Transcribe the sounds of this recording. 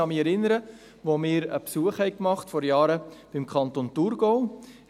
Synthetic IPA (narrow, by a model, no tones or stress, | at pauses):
ɑmiːɛɾɪnəɾə | ʋomɪːɾə̰psuəχhɛɪkmɑχtfɔɾjɑːɾəb̥ɪmkʰɑntonturɡow